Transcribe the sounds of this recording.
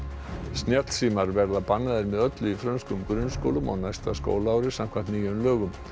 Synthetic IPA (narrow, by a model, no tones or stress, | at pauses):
snjɛt̪l̥siːmaɾvɛɾðapanːaðɪɾmɛðœt̪lʏifɾœnskʏmkɾʏnskowlʏma̰wnajst̪asko̰ːwlaːwɾɪsam̥kʰvant̪niːjʏmlœːɣʏm